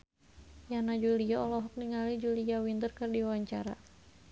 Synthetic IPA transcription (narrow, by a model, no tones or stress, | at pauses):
janad͡ʒuliaɔlɔɦɔk̚niŋalid͡ʒuliawint̪ərkɨrdiawaɲt͡ʃa̰ɾa̰